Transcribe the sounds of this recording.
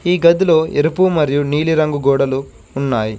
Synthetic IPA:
iːɡɐd̪ilo̞ːʔḛɾupuːmɐɾijuniːliɾɐŋɡuɡɔːɽɐluː | nːaːji

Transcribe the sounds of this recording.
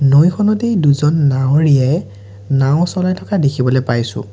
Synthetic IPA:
nojkʰɔnɔtejduzɔnːaw̃ɹijɛ | naʊ̃sɔlajtʰɔkadekʰibɔlɔjpajsʊ̰̃

